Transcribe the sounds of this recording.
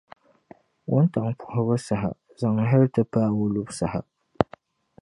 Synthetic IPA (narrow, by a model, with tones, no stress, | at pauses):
wʊ˦nta˨ŋpʰʊ̥˨hʊ˦bɨ˦sa˨ɦa̰˨ | za˨ŋ˨ɦɪ˦ltɨ˦paː˦wʊ˦lu˦bsa˨˦ha̰˨